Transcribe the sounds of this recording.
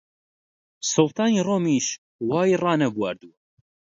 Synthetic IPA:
solˠt̪ʰɑːniːroːmiːʃ | wɑːjirɑːnɐɡwaːɾd̪u

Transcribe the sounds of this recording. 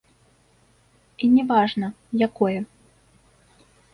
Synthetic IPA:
inʲɛvaʐnɐ | jakɔjɛ

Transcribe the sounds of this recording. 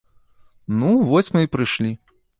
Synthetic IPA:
nuvɔsʲmɨipɾɨʂlʲi

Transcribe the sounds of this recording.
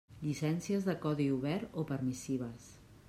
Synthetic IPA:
ʎisɛnsiəzðəkɔðiuβɛɾopəɾmisiβ̞əs

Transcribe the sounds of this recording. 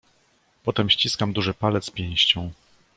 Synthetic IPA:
pɔt̪ɛmɕt͡ɕiskamd̪uʐɘpalɛt̪spʲjɛ̃j̃ɕt͡ɕɔ̃w̃

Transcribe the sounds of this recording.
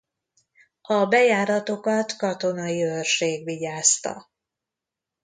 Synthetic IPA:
ɒbɛjaːɾɒt̪o̞kɒt̪kɒt̪o̞nɒjiørʃeːɡʋiɟaːst̪ɒ̰

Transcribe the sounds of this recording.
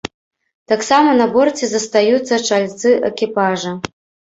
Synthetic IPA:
t̪aksamɐnɐbort͡sʲizɐst̪ajut̪t͡s̪ːɐʈ͡ʂʰalʲt͡s̪ɨʔḛkʲipaʐɐ

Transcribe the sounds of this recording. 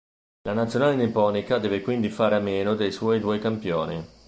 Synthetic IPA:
lʔanat̪sːjonaːlenepɔːnikad̪ɛːvekwind̪ifaːɾeameːnod̪ejswɔːjd̪uɔjkampjo̰ːni

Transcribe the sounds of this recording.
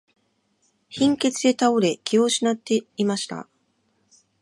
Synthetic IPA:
çĩŋke̞t͡sɨe̞t̪aoɾe̞kʲioɕinat̪ːe̞imaɕi̥t̪a̰

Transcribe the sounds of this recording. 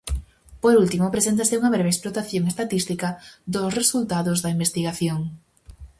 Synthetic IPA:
poɾult̪imopɾesent̪aseuŋɐβ̞ɾeβesplot̪aθjoŋest̪at̪ist̪ikɐðosresult̪aðozðɐimbest̪iɣaθjoŋ

